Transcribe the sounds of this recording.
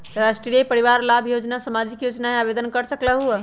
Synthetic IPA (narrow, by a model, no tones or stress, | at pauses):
ɾasʈɾijepəɾiʋaɾlabʱjod͡ʒnasəmad͡ʒikjod͡ʒnaɦeabed̪ənkəɾsəklaɦuɛ